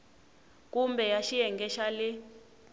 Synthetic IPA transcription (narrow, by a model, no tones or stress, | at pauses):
k̬ʼumbɛjaʃijɛŋɡɛʃalɪ